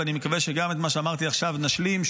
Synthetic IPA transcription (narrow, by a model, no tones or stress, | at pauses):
animekaveʃeɡamet̪maʃeamaʁt̪iaχʃavnaʃlimʃ